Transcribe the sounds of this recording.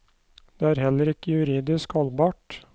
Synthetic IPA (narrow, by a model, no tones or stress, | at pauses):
d̪̥eːæːɾhɛlːəɾɪkːəjʉɾiːd̪ɪskhɔlbɑːʈ